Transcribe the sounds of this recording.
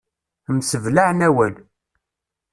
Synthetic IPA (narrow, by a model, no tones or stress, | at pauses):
msəvlaʕnæwæl